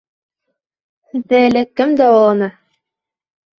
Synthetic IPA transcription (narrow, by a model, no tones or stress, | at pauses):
ðælɘkːɘmd̪æwɑlˠɑnɤ